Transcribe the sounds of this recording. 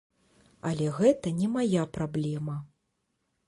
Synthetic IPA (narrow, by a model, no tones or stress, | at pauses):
ɐlʲɛɣɛt̪ɐnʲɛmajapɾablʲɛmɐ